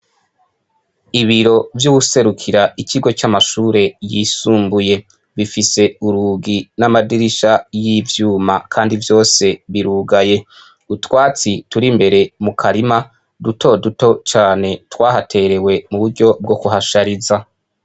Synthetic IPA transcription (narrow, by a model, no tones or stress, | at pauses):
iβiɾo̞vjuɡuse̞ɾukʰiɾaiciɡo̞t͡ʃamaʃuːɾe̞jisuːmbuje̞ | βifise̞uɾuːɡinamadiɾiʃajivjuːmakʰaːndivjo̞ːse̞βiɾuːɡaje̞ | utwaːt͡situɾimbe̞ɾe̞mukʰaɾima | duto̞duto̞t͡ʃaːne̞twaːɦatʰe̞ɾe̞we̞muβuɾɟo̞b̚ɡo̞kuɦaʃaɾiza